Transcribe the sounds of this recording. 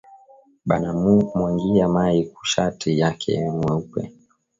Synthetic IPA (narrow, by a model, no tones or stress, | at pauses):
ɓanammwaŋɡiamaiku̥ʃatʰijakʰɛ̰mwɛupɛ̰